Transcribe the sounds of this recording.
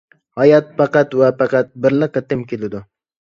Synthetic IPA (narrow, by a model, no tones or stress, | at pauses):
hɑjɑt̪̚fɑqɑt̪wapɑqɑt̪̚bɪɾlɪqɨt̪ɪmkʲelɪd̪ʊ